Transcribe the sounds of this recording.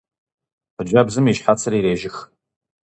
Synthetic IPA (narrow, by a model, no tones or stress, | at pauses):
ħəd͡ʒʷabzɨmiʃħat͡sʰɨriɾeːʒɪx